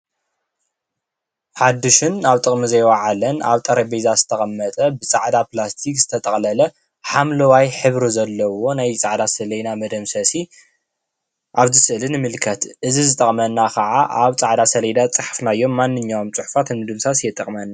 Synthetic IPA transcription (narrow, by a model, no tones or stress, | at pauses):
ħad̪ːɨʃɪnaβt̪ʼɨχʼmizɐjwaʕalɐna̰βt̪ʼɐɾɐbezazɨ̥t̪ʰɐɣʼɐmːɐt̪ʼɐbɨt͡sʼaʕd̪aplast̪ʰikz̥ɨ̥t̪ʰɐt̪ʼɐχʼlɐlɐ | ħamlɐwajħɨβɾizɐlːɐwo̞najt͡sʼaʕd̪asɐlɐjd̪amɐd̪ɐmsɐsi | ʔaβzɨsʔɨlɨnɨmɨlkʰɐt̪ʔɨzizɨt̪ʼɐχʼmɐnːakʰɐʕaʔaβt͡sʼaʕd̪asɐlɐjd̪at͡sʼɨħfnajːo̞mːanːɨɲːaomt͡sʼɨħu̥fat̪nmɨd̪ɨmsasjɛt̪ʼɐχʼmɐnːa